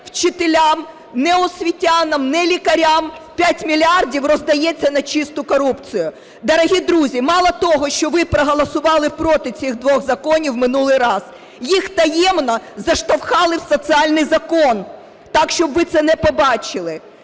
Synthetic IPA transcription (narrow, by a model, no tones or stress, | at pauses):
wt͡ʃɪt̪elʲam | nɛɔsʲʋʲitʲanɐmnɛlʲikɐɾʲampʲatʲmʲilʲiɑrdʲiwrɔzd̪ɐjɛt͡sʲːɐnɐt͡ʃɪst̪ʊkɔɾupt͡sʲijʊ | d̪ɐɾɐɦʲid̪ɾuzʲimɑlˠɐt̪ɔɦɔʃt͡ʃɔʋɪpɾɐɦɔlˠɐsʊʋɑlˠɪpɾɔt̪ɪt͡sʲiɣd̪ʋɔɣzɐkɔnʲiwmɪnulˠɪjɾɑz | jixt̪ɐjɛmnɔzɐʃt̪ɐwxɑlˠɪwsɔsɨɑlʲnɪjzɐkɔn | t̪ɑkʃt͡ʃɔbʋɪt̪sɛnɛpɔbɑt͡ʃɪlˠɪ